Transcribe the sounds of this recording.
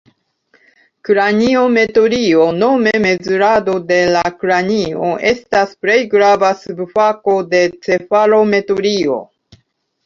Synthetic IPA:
kɾanio̞me̞to̞ɾiono̞me̞me̞zuɾado̞de̞lakɾanio̞̰ʔe̞staspɾe̞jɡɾavasubfako̞de̞t͡se̞faɾo̞me̞toɾio̞̰

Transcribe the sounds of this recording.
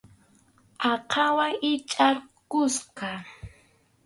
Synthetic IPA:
ɑqʰɑwaɪt͡ʃʼaɾkʊsqɑ

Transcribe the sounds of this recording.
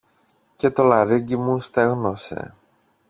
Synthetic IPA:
ce̞t̪o̞lɐɾiɟimust̪eɣnose̞̰

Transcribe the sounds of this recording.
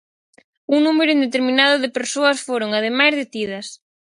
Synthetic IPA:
uŋnumeɾʊind̪et̪eɾmĩnað̞ʊðepeɾsoɐsfoɾoŋað̞emajzðet̪iðɐs

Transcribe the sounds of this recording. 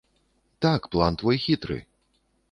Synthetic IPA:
t̪akplˠant̪vɔjxʲit̪ɾɨ̰

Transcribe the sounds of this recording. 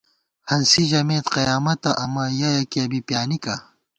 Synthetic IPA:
hɐnsiʑɐmeːt̪qɐjaːmɐt̪ɐʔɐmɐjɐjɐkiɐbipjaːnikɐ

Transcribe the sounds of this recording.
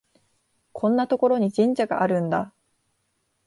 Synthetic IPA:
kʰõ̞nːat̪o̞ko̞ɾo̞ɲ̟id͡ʑĩɲ̟d͡ʑaɡa̰ʔaɾɯ̟̃nd̪a

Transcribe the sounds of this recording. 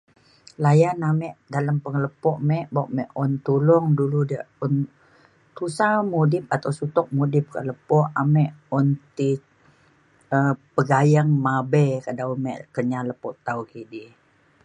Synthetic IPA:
lajanamɛʔdaləmpəŋələpɔʔmɛʔbaʔmɛʔɔnt̪ulʊŋduludəʔɔn | t̪usamudɪp̚at̪awsut̪ɔk̚mudɪp̚kə̰ləpɔʔamɛʔɔnt̪i | əpəɡajaŋmabɛkadawmɛʔkəɲaləpɔʔt̪aukidi

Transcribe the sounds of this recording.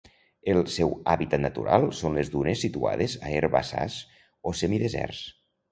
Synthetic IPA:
elˠsɛwaβit̪at̪nat̪uɾalˠsonlezðunesːit̪ua̰ðezaeɾβasa̰s | osemiðezɛ̰ɾs

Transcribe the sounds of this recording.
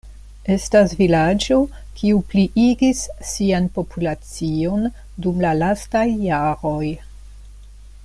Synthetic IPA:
e̞stasvilad͡ʒo̞ | kʰiupliʔiɡisːianpo̞pulat͡sio̞n | dumlalastajːaɾo̞j

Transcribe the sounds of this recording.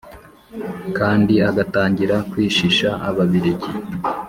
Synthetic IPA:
kaːndiaɡataːɲɟiɾakwiːʃiʃaaβaβiɾeɟi

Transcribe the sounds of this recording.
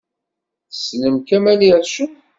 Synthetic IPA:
θəsnəmkæmæliʕʃu

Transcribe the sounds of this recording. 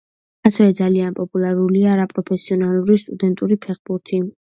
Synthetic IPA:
asɛvɛd̪zalianpʼɔpʼulˠaɾuliaːɾapʼɾɔpʰɛsiɔnalˠuɾist̪ʼud̪ɛnt̪ʼuɾipʰɛχbuɾt̪ʰi

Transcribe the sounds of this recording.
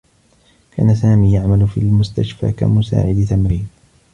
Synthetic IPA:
kʰa̰ːnasaːmiːjaʕmalfḭːlmʊst̪aʃfa̰ːka̰mʊsa̰ːʕɪd̪ɪθamɾiːn

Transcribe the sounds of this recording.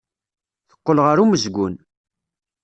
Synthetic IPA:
θə̥qːəlʁəɾuməzɡʷʊn

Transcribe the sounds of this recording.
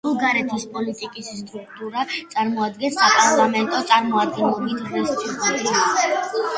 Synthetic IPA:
uɡaɾɛt̪ʰispʼɔlit̪ʼikʼisːt̪ʼɾukʰt̪ʼuɾat̪sʼaɾmɔad̪ɡɛnsapʼaɾlˠamɛnt̪ʼɔt̪sʼaɾmɔad̪ɡɛnlˠɔbit̪ʰɾɛst̪ʼut̪ɾ

